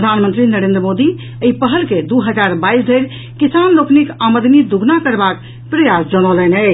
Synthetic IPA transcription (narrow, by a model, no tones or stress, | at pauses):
əd̪ʱanmənt̪ɾinəɾẽnd̪ɾəmod̪i | əipəɦəlked̪uɦəd͡ʒaɾbaisd̪ʱəɾ | kisanloknikaməd̪ʱnid̪uɡʱnakəɾbak | pɾəjasd͡ʒəɽ̃ələnɛ